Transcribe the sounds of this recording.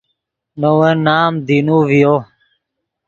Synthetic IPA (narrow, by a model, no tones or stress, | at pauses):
nowẽːnaːmd̪inuːʋijoː